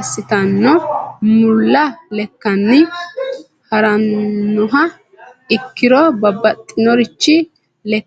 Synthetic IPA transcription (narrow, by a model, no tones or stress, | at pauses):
sːɪt̪ɐnːɔmʊlːɐlɛkːɐnːɪ | hɐɾɐnːʊɦɐ | ɪkːɪɾɔbɐbːɐt̪ʼːɪnɔɾɪt͡ʃːɪ | lɛ